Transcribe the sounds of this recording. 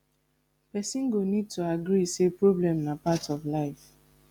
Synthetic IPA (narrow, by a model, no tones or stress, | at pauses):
pɛsĩnɡonid̚tuaɡɾisepɹoblɛ̃mnapatɔvlaɪf